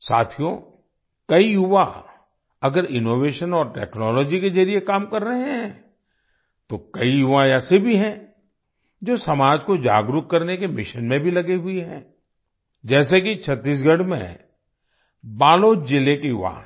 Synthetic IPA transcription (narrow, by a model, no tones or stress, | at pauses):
sa̰ːt̪ʰijõ | kɐijʊʋa | ɐɡəɾɪnoːʋeːʃənɔːɾʈɛ̰ːknɔːlɔːd͡ʒikezɐɾiekaːmkɐɾːɐɦeɦɦɛ̃ː | t̪okɐijʊʋajɛsebʱiɦɛ̃ː | d͡ʒoːsɐmaːd͡ʒkod͡ʒa̰ːɡɾʊkkɐɾnekemɪʃənmẽbʱilɐɡeɦʊiɦɛ̰̃ː | d͡ʒɛːs̬ekit͡ʃʰɐt̪ːiːs̬ɡʱɐɽmḛ̃ | baːloːd͡ʒɪlekijʊ̰ʋa̰